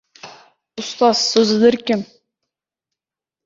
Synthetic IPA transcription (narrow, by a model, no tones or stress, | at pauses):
ʊst̪ɑzːɵzɪd̪ɪɾkʲɪm